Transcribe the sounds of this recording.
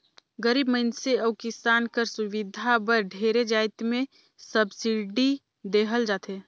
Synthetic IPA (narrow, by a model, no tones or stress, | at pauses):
ɡəɾiːbməɪnseəkɪsaːnkəɾsʊʋɪd̪ʱabəɾɖʱeːɾed͡ʒaːɪt̪mẽ | səbsiɖi | d̪eːɦəld͡ʒaːt̪eː